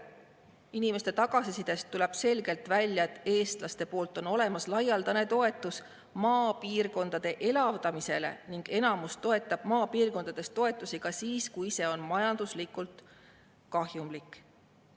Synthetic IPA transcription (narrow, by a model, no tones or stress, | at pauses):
inimest̪e̞t̪ɑɡ̥ɑsisid̪̥e̞st̪ːulɛb̥se̞lɡ̥e̞lt̪ˑvælʲjɑe̞t̪ːˑe̞ːst̪lɑst̪e̞po̞ːlt̪ːˑo̞no̞le̞mɑslɑjɑld̪ɑne̞t̪o̞e̞t̪ːˑus | mɑːpiːrko̞nd̪̥ɑd̪̥e̞ʔe̞lɑvd̪ɑmise̞̰le̞̰niŋɡ̥e̞nɑmust̪o̞e̞t̪ːˑɑb̥mɑːpiːrko̞nd̪̥ɑd̪̥e̞st̪o̞e̞t̪ːˑusiɡ̥ɑsiːskujise̞o̞nmɑjɑnd̪̥uslikˑult̪ | kɑɦjumlikːˑ